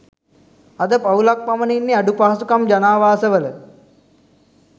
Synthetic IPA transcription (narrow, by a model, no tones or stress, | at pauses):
ad̪əpaulak̚paməninːeaɖupaːasukamd͡ʒanaːʋaːsəʋələ